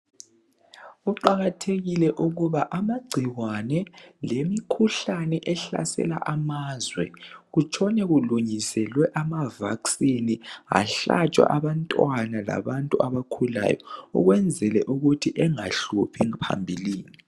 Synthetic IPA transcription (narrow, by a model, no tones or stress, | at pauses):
uǃaɣatʰeɣilɛʔuɣuβaʔamaɡ͡ǀʱiɣanɛlemikʰuɬanɛʔɛɬa̰sɛ̰la̰ʔamazwɛ̰ɣut͡ʃʰʼɔnɛɣuluɲisɛlwɛʔamavaksinia̰ɬa̰t͡ʃʼwa̰ʔaβantʼwanala̰βantʼuaβakʰula̰jɔ̰ṵɣwɛnd͡zʱɛlɛʔuɣutʰiʔɛŋaɬupʰiŋpʰa̰mbʱiliːni